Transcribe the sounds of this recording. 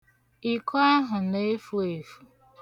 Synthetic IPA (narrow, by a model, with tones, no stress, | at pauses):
i˨kɔ˦a˦ɦʊ˨ne˦fu˦e˨fu̥˦˨